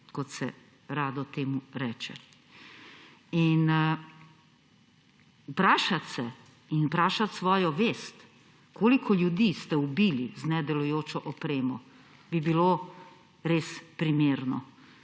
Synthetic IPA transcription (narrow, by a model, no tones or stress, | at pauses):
kɔt̪sɛ̰ | ɾaːd̪ɔt̪eːmuɾɛːt͡ʃɛ̰ | in | pɾaːʃat̪sɛ | inpɾaːʃat̪sʋɔːjɔʋeːst̪ | kʰoːlikʰɔljud̪ist̪ɛubiːliznɛd̪ɛlujoːt͡ʃɔʔɔpɾeːmɔ | bibilo | ɾeːspɾimeːɾnɔ